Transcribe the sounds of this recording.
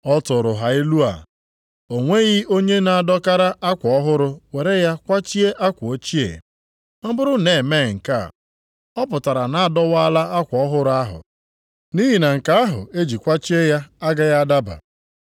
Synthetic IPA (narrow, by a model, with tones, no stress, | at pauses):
ɔ˦tʊ˨ɾʊ˨ɦa˨i˦lu˦a̰˨ | o˨ŋʷe˦ɣi˦o˦ɲe˦na˨a˨dɔ˦ka˦ɾa˦ʔa˦kʷɔ˦ɦʊ˦ɾʊ˦we˨ɾe˦ja˦kʷa˦t͡ʃi˦e˦ʔa˦kʷʊ˨o˦t͡ʃi˦ḛ˨ | m̩˦bʊ˦ɾʊ˦ne˨me˦˨ŋ̩˨ka̰˦˨ | ɔ˦pʊ˨ta˨ɾa˨na˨a˦dɔ˦wa˦la˦a˦kʷɔ˨ɔ˦ɦʊ˦ɾʊ˦a˦ɦʊ̰˨ | ni˦ɦi˨na˨ŋ̩˨ka˦a˦ɦʊ̰˨e˦d͡ʒi˨kʷa˦t͡ʃi˦e˦ja˦a˦ɡa˦ja˦a˦da˦ba̰˨